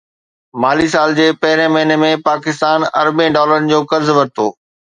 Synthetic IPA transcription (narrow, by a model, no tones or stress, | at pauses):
maːlis̬aːld͡ʑeːpɐɦɪɾẽmɐɦɪnemẽpaːkɪst̪aːnɐ̰ɾbẽɖɔːləɾənɪ̆d͡ʑoːkɐɾzʋɐɾɪt̪oː